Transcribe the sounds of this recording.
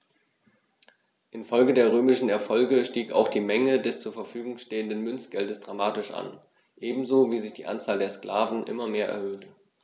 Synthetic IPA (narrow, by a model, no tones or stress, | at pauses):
ʔɪnfɔlɡədeːɐʁ̞øːmɪʃn̩ɛɐfɔlɡəʃtiːka̰ʊxd̥iːmɛŋədɛst͡suːɐfɛɐfyːɡʊŋʃteːəndənmʏnt͡sɡ̥ɛldəsd̥ʁamaːtɪʃʔa̰n | ʔeːbm̩zoːviːzɪçd̥ḭːʔa̰nt͡saːldeːɐskl̥aːvn̩ʔɪ̰mɐmeːɐʔɛ̰ɐhøːtə